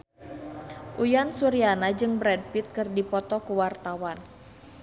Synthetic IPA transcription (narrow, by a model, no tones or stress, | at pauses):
ʔujansuɾianad͡ʒɨŋbɾɛd̚pit̪̚kɨrdipɔt̪ɔkuwart̪awan